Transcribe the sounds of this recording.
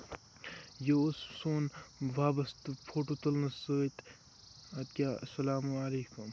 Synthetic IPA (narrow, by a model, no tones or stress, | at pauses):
jossoːnʋaːbɐst̪ɨpʰoːʈoːt̪ɐlnɐsəːt̪ | ɐd̪̚kʲaːɐ̰sɐlaːmualeːkum